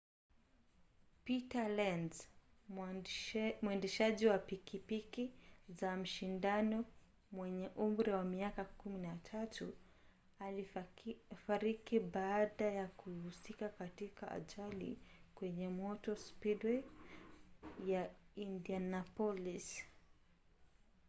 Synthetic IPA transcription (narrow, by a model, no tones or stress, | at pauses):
pitalanz | muɛndɛʃaʄiwapikipikizam̩ʃindanɔ | mwɛɲɛʔumɾɛwamiakakuminatʰatu | a | faɾikiɓaːɗajakuhusikakatikaʔa̰ʄalḭkwɛɲɛmɔtɔspidwɛ | jaindianapɔlis